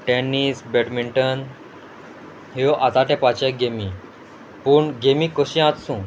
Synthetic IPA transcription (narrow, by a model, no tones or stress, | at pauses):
ʈɛnːisbɛʈmiɳʈən | ɦeoʔat̪aʈɛ̃pat͡ɕeɡemi | puːɳɡemikəɕĩãt̪sũ